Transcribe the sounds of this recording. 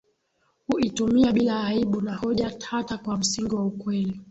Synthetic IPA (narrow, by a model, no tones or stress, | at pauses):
huitumiaɓilaːiɓunahɔʄatʰatakwam̩siŋɡiwaukwɛli